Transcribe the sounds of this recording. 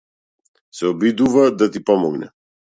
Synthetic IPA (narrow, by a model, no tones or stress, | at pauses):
sɛɔbid̪uvad̪at̪ipɔmɔɡnɛ̰